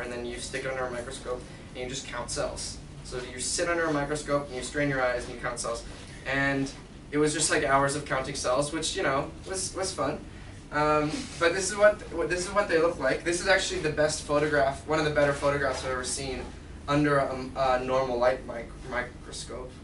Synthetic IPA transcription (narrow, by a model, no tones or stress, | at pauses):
ɨ̃nðɨ̃njɨstɪkʌ̃ndə˞ɨmaɪkɹɨskoʊp | ɨ̃njɨd͡ʒʌskʰãʊ̃ntsɛ̰lˠz̥ | soʊjɨsɪɾʌ̃ndə˞ɨmaɪkɹɨskoʊpn̩jɨstɹ̥ẽɪ̃njə˞aɪznjɨkʰãʊ̃ntsɛ̰lˠz̥ | ʔɨ̃n | ɨt̚wʌzd͡ʒʌst̚ˡlaɪkaʊə˞zʌv̥kʰãʊ̃ntɪ̃ŋsɛlˠzwɨt͡ʃjɨñoʊwʌz̥wʌz̥fʌ̃n | ʔʌ̃mb̥ʌt̪̚ðɪsɨzwʌt̪̚ʌðɪsɨzwʌt̪̚ðeɪlʊk̚tˡlaɪk̚ðɪsɨzæk̚t͡ʃʉl̩ˠiðɨbɛstfoʊɾɨɡɹæfwʌ̃ñʌvðɨbɛɾə˞foʊɾɨɡɹæfsɨvə˞sĩn | ʌ̃ndə˞əʌnɔɹml̩ˠlaɪt̚maɪk | maɪkɹoskoʊp̚